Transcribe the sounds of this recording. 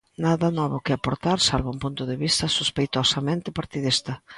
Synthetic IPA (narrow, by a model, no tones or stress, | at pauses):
naðɐnɔβʊkɪapoɾt̪aɾsalβaũmpunt̪ʊðɪβist̪ɐsuspejt̪osɐmẽnt̪ɪpaɾt̪iðist̪ɐ